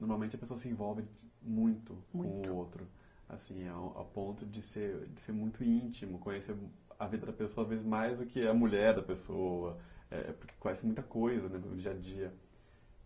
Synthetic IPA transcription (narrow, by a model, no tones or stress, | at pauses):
noɾmawmẽnt͡ʃɪɐpesoɐsɪẽvɔwvɪmũj̃t̪ʊkõʊowt̪ɾʊ | a̰sĩɛa̰wpõnt̪ʊd͡ʒɪseɾd͡ʒɪseɾmũj̃t̪ʊĩnt͡ʃimʊkõjeseɾ | ɐvid̪ɐd̪ɐpesoɐavezɪzmajzd̪ʊkɪɐmuʎɛɾd̪ɐpesoɐɛ̰ɛ̰pʊɾke̥kõjɛsɪmũj̃t̪ɐkojzɐnɛʊ̰d͡ʒiɐd͡ʒiɐ